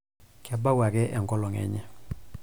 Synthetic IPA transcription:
kʰa˨ba˦wa˨kɛ˦ʔɛ˨ŋɡɔ˦lɔ˨ŋɛ̰˨ɲɛ˦

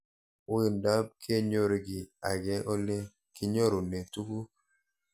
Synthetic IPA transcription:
wɪ˨nda˦b̚kʰe˦ɲo˦ɾe˨˦ɡɪ˨a˨ɡɛ˦ʔo˦le˦ | kɪ˦ɲo˦ɾo˨ne˨tu˦ku˦

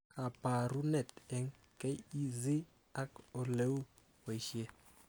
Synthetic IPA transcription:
a˨pa˨ɾu˦nɛ˨t̪ɛ˨ŋkɛ˦i˦zɪ˦ | a˦ko˨le˦u˦ | we˨ʃe˦

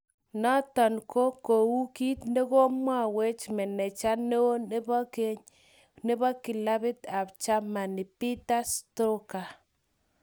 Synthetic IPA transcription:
nɔ˦tɔ˨nko˦ko˨wu˦ki˦tne˦ko˦mwa˦we˦t͡ʃmɛ˨nɛ˨t͡ʃa˦ne˦o˦bɔ˦ke˦ɲ | ne˦bɔ˦ki˨la˦bɪ˦ta˨pt͡ʃa˦ma˨ni˨pi˦ta˦sto˦ka˨

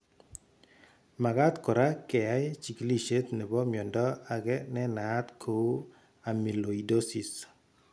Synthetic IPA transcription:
ma˨ɡa˦t̪kɔ˨ɾa˦kɛ˨a˦jt͡ʃi˨kli˦˨ʃe˦t̪ne˨bɔ˦mjɔ˨ndɔ˦a˨ɡɛ˦nɛ˦naː˨˦t̪kʰo˨˦ | a˨mi˨lo˨i˨do˦si˨s

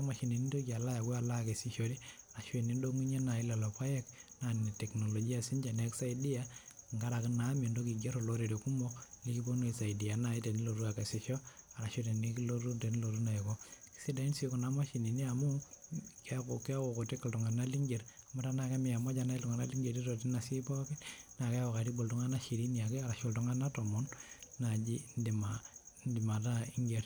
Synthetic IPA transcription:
a˦ma˨ʃi˨ni˨ni˦do˦kia˨la˦ja˨ke˦a˨la˦ke˨si˦ʃo˨ɾi˦a˨ɾa˨ʃwe˨ni˦ndo˦ŋu˦ɲe˦na˨i˦la˨lo˨pa˦jɛ˦kna˨ni˨ne˨tɛ˨kno˨lɔ˨d͡ʒi˦a˨si˦nd͡ʒa˨nɛ˦ksa˦idi˦ja˦˨ŋɡa˦ɾa˨kɪ˦na˨˦mi˨ndo˦k̬i˨ɡe˦ɾo˨lo˦ɾe˨ɾe˨ku˦mɔ˦li˦ki˦bo˦no˦i˨sa˨ɪ˨di˨a˨na˨i˦te˨ni˦lo˨ɾu˦a˨ke˨si˨ʃɔ˦a˨ɾa˨ʃe˦te˨ni˦kilo˦ɾu˦te˨ni˦lo˨ɾu˦na˨ji˨ko˦ki̥si˦da˨i˦nsi˦ko˨na˦ma˦ʃi˨ni˨ni˦a˨mu˦kako˨ki˦a˦ko˨ko˨te˦kːi˨ltɔ˨ŋa˨na˦li˦ŋɡe˨ɾa˨ma˦ta˦na˨ka˦mi˨a˨mɔ˦d͡ʒa˦na˦i˦lu˨ŋa˨na˦li˦ŋɡe˨ɾi˦ɾo˨ti˦na˨si˦pɔ˦kɛ˦na˨kɛ˦a˦ko˨ka˨ɾi˦bo˨ltu˦ŋa˦na˦ʃi˨ɾi˦ni˨a˨ke˦a˨ɾa˨ʃo˦ltɔ˦ŋa˦na˦tɔ˨mɔ˦nːa˨d͡ʒi˦ndi˨mandi˨ma˨ta˦i˦ŋɡe˨ɾ

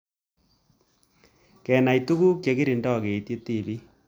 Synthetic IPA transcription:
kɛ˨na˨i˨tu˦ɣu˦kje˨ɡi˦ɾi˨ndɔ˦˨ɣe˨tje˦ti˦˨βi˦

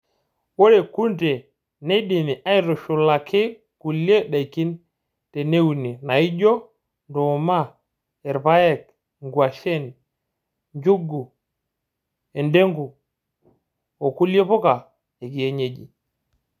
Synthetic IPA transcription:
wo˦ɾe˨ku˦nte˨ | ne˦ɗi˨ni˨ʔa˦i˦ɾo˨ʃu˨la˨kʰɪ˦ | ku˨lje˦ɗa˨i˨ki˦n | te˨ne˦u˨ni˨na˨i˦d͡ʒɔ˦ | ndo˨ma˦˨ | ɛ˨ɾpa˦jɛ˨k̚ | ŋɡwa˨ʃɛ˦˨n | ɲd͡ʒu˦ɡu˨ | e˨nde˦ŋɡu˨ | o˨ku˦lje˦pɔ˦ka˨ | e˨ki˨je˦ɲe˦d͡ʒi˨

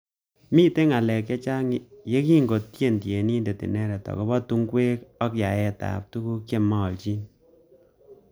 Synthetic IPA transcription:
mi˦te˦ŋa˨lɛ˨k̬je˦t͡ʃa˦ŋ˦je˦ki˦ŋɡo˨ttje˦˨ntje˨ni˦nde˨tḭ˨nɛ˦ɾɛ˨tɔ̰˨kɔ˦bɔ˦tu˦ŋɡwe˦kɔ˦kja˨ɛ˦ta̰˨p̚tu˦ku˦kje˦mɔ˦˨lt͡ʃi˦n

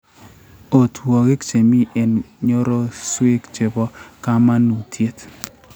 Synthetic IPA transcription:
o˨two˨ɡɪ˦kt͡ʃe˨mi˦ʔe˨nɲo˦ɾo˦swe˦kt͡ʃe˨bɔ˦ka˦ma˦nu˨tʰje˦t

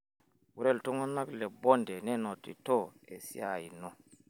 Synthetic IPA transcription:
wu˨ɾɛ˦ltɔ˦ŋɔ˦nːa˦klɛ˨bɔ˦ndɛ˨nɛ˦no˨tːḭ˨tɔ˦ḛ˨sḭ˦a˨ji˨nɔ˨

